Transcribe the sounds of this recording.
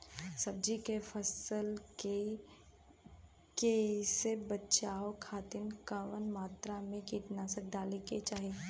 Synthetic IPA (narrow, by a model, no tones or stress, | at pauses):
sɐb̚d͡ʒikefʰəsəlke | kesebətːʃaːokʰaːt̪ɪnkaʋənmaːt̪ɾamẽkiːʈ̪naːsək̚d̪aːleket͡ʃaːɦeː